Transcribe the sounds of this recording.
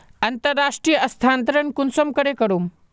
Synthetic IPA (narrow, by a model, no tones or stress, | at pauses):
ɐnt̪əɾːaʂʈɾijəʔɐst̪ʰaːnt̪ɾəɳkunsomkəɽekəɽum